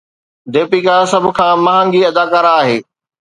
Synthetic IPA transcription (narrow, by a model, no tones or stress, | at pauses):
d̪eːpikaːsɐbʱʊ̆kʰãːmɐ̃ɦə̃ŋɡiɐd̪aːkaːɾaːɦeː